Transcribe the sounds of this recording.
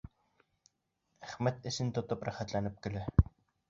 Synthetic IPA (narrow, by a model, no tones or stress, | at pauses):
æχmæt̪esɘ̆nt̪ʊt̪ə̆praχæ̆t̪ɮænɘ̆p̚ɡeɮeː